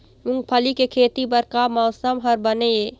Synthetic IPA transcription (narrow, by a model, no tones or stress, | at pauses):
mʊ̃ŋɡpʰəlikekʰeːt̪ipɐɾkamɔːsəmɦəɾbəneeː